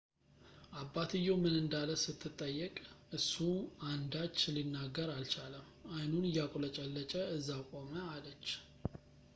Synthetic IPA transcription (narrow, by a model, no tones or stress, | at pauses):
ʔabːat̪ʰɨjomɨnɨnd̪aləsɨt̪ʰːɨt̪ʼːəjːəkʼɨsːuand̪at͡ʃːlinːaɡːəɾalt͡ʃaləm | ajnunɨjakʼolət͡ʃʼɛlːət͡ʃʼəɨzːakʼo̞məalət͡ʃː